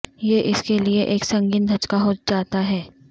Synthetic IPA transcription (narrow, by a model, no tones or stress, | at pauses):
jeʔɪskelieʔeːksɐ̃ŋɡiːnd̪ʱɐt͡ʃkaɦod͡ʒaːt̪aɦɛː